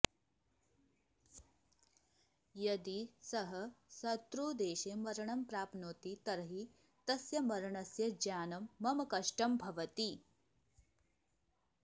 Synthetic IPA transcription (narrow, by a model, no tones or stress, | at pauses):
jɐd̪isɐɦɐsɐt̪ɾuːd̪eːʃeːmɐɾɐɳɐmpɾaːpnoːt̪it̪ɐɾɐɦi | t̪ɐsjɐmɐɾɐɳɐsjɐd͡ʒaːnɐmːɐmɐkɐʂʈɐmbʱɐʋɐt̪i